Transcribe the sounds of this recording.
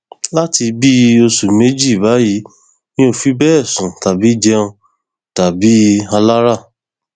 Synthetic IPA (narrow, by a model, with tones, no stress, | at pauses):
la˦ti˧bi˦o˧su˨me˨˦d͡ʒi˦˨βa˨˦ji˨˦ | nĩ˦o˦˨fi˦bɛ˦ɛ˦˨sũ˨ta˨bi˨˦d͡ʒɛ˦ũ˧ | ta˨bi˨˦a˧la˦ɾa˦˨